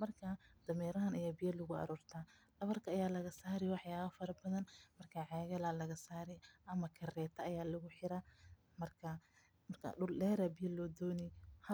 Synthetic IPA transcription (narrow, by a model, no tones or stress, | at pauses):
mɐrkʰad̪̥ɐmɛːɾɐɦɐnʔɐjabɪjɐlʊɣʊɐ̰ɾɔːrt̪ʰaːlɐβɐrkʰɐːjaːlɐɣɐsaːɾɛwɑħjaːβɐfɐɾɐbɐðɐnmɐrkʰaːʕɑːɣɐlɐlɐɣɐsaːɾɛjʔɐmɐkʰɐrɛːt̪ʰɐɐjaːlɐɣʊħɪɾaː | mɐrkʰɐ | mɐrkʰɐ̰ɖʊllɛːɾɐbɪjɐlɔːd̪ɔːnɛhɐ